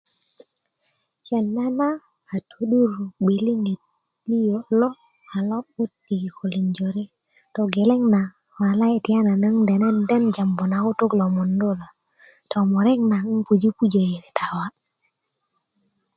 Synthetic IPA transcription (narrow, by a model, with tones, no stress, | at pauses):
t͡ʃe˨nːa˦naː˦˨ | tʰo˨ɗu˦ɾbi˨li˦ni˨t̚ | li˦jo˨lɔ˦ | a˨lɔ˦o˦tːi˨ki˨ko˨li˨nd͡ʒo˨ɾi˦ | to˨ɡe˨le˦ŋna˨ | ma˨la˦e˨ti˨a˦na˨na˦ŋde˨nɛ˦nde˦nd͡ʒa˨mbo˨na˨ku˦tu˦klo˨mu˨ndo˦lo˨ | tʰo˨mo˨ɾɛ˦ŋna˨˦ŋpu˨d͡ʒi˦pu˦d͡ʒo˨ji˨ɾi˨tʰa˨wa˦